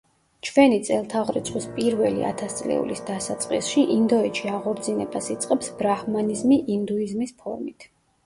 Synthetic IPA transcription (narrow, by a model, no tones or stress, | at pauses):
t͡ʃʰvɛnit̪sʼɛlˠt̪ʰaʁɾɛt̪sʰχwispʼiɾvɛlḭa̰t̪ʰast̪sʼlɛ̰ṵlisd̪asat̪sʼqʼisʃiʔind̪ɔɛt͡ʃʰiaʁɔɾd̪zinɛbasit̪sʼqʼɛpsbɾahmanizmiʔind̪uizmispʰɔɾmit̪ʰ